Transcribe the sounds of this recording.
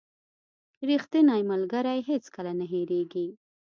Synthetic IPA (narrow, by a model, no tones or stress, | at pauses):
ɾixt̪inɑjmalɡaɾajɦet͡skalanaɦeɾeɡi